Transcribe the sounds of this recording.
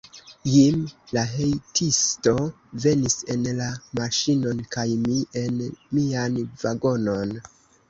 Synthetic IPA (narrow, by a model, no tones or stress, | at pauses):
jimlaɦejtʰisto̞ | ve̞nise̞nlamaʃino̞nkajmie̞nmianvaɡo̞no̞n